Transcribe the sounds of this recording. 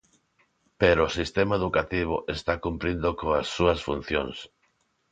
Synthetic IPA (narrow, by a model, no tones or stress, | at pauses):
peɾoːsist̪emaeðukat̪iβ̞oʔest̪akumpɾind̪okoasːuɐsfun̟θjoŋs